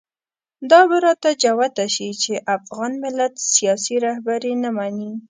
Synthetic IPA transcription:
d̪ɑbaɾɑt̪ad͡ʒawat̪aʃit͡ʃeʔafɣɑnmɪlat̪sijɑsiɾahbaɾenamani

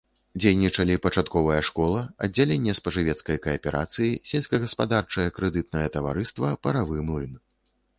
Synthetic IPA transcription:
d͡zʲejnʲːit͡ʂɐlʲipɐt͡ʂat̪kɔvɐjɐʂkɔlˠɐɐ̰dd͡zʲalʲenʲːɛspɐʐɨvʲɛt̪skɐjkɐjɐpʲɛɾʔa̰t̪sɨjisʲelʲsʲkɐɣɐspad̪art͡ʂɐjɐkɾɛd̪ɨt̪̚nɐjɐt̪ɐva̰ɾɨst̪vɐpɐɾavɨmulʲn

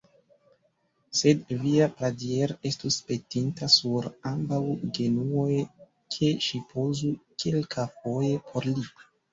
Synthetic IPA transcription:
se̞dviapɾadieɾe̞stuspe̞tintasuɾambawɡe̞nuo̞j | kʰe̞ʃipʰozukʰelkʰafoje̞pʰo̞ɾli

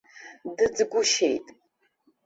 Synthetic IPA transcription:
dɨd͡zɡʷʊʃejtʼ

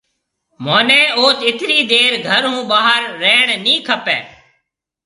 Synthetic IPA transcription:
moːnẽːoːt̪ɪt̪ʰɾiːd̪eːɾɡʱəɾɦũːɓaːɦəɾːeːɳ̃nĩːkʰəpeː

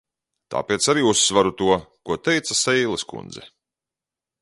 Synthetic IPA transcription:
t̪a̰ːpeɛt̪saɾiːusːvaɾut̪uɔkuɔt̪ɛjt̪sasɛjlˠɛskṵnd̪zɛ̰

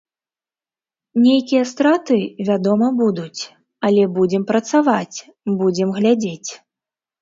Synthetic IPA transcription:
nʲejkʲijɐst̪ɾat̪ɨvʲad̪ɔmɐbud̪ut͡sʲ | ɐlʲɛbud͡zʲɛmpɾɐt̪savat͡sʲ | bud͡zʲɛmɣlʲad͡zʲet͡sʲ

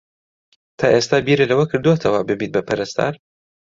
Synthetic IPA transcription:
t̪ʰaːʔest̪aːbiːɾɨlɐwɐkʰɨɾd̪uwot̪ʰɐwɐbɨbiːt̪̚bɐpʰɐɾɛst̪a̰ːɾ

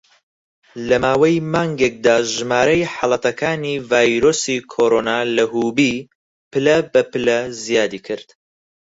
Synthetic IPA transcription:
lɐmaːwɐjmaːŋɡek̚d̪aːʒɨmaːɾɐjħɑlˠɐt̪ɐkʰaːniːvaːjɾoːsikʰoːɾoːnaːlɐhuːbiː | pɨlɐbɐpɨlɐzijaːd̪iːkʰɨɾd̪̥

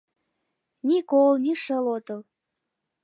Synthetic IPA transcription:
nikolnʲiʃəlot̪əl

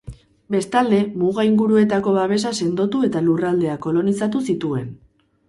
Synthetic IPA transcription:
be̞st̪ald̪e̞muɣaiŋɡuɾue̞t̪ako̞βaβe̞sase̞nd̪o̞t̪ue̞t̪alurald̪e̞ako̞lo̞nisat̪̬usit̪ue̞n

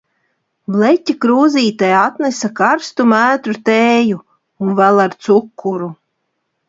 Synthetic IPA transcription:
blˠɛtʲikɾuːziːt̪ajat̪nesakaɾst̪umæːt̪ɾut̪eːju | unvælˠaɾt̪sukʰːuɾu

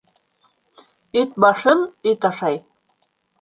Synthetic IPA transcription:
et̪̚bɑʃɤnit̪ɑʃɑj

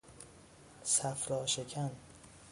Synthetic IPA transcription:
sæfɾɒːʃekʰæn

